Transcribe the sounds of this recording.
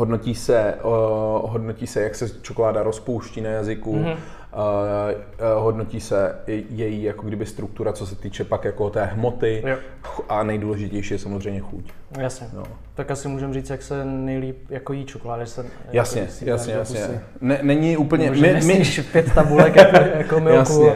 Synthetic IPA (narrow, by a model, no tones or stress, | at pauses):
ɦodno̞ciːsɛ | ɦo̞dnociːsɛjaksɛt͡ʃokolaːdaɾospowʃciːnajazɪku | ɦodnociːsɛjɛjijakoɡdɪbɪst̪ɾuk̚t̪uɾat͡sosɛt̪iːt͡ʃɛpakjakot̪ɛːɦmot̪ɪj | xʔanɛjduːlɛʒɪcɛjʃiːjɛsamozrɛjmɲɛxṵcjasɲɛno̰ | t̪akasɪmuːʒɛmriːt͡sjaksɛnɛjliːp̚jakojiːt͡ʃokolaːdɪsɛjasɲɛjasɲɛsɲɛ | nɛnɛɲɪʔuːpl̩ɲɛʒmɪmɪiʃpjɛt̪t̪abulɛkjkjakomɪjasuɲɛ